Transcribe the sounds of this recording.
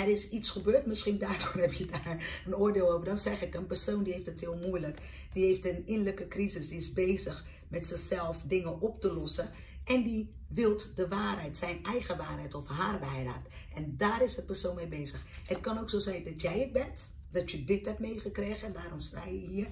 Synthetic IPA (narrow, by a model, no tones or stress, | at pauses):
ɛɾɪsitsxəbøːtmɪsxindaːɹdɔnɛpjədaɹənoːərdeːlˠoːwvərdɔnsɛxɪkənpɛɹsoːndiheftəthɪəlˠmuəjlək | diheːftənɪnləkəkrizɪsdiɪsbeːzəx | mɛtsɪxsɛlˠfdɪŋəʔɔp̚təlɔsə | ʔɛndi | ʋɪlˠtdəʋaːrɦɛjtsɛjnɛjɣəʋaːrɦɛjtɔfɦarʋɛjda̰tɛndaːɾɪsəpəɹsoːnmebeːzəxət̚kɑnowksoːzɛjndɔtjɛjət̚bɛnt | dɔtjədɪtɦɛptmejχəkreːɣəɛndaːɾɔmstaːjəɦiə